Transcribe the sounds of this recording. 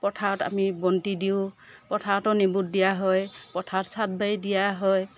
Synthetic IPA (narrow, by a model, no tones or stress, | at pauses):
pɔtʰaɔta̰mibɔntidiʊ̃ | pɔtʰaɔtɔnibut̚dijaɦɔjpɔtʰaɔtsat̚bajdijaɦɔj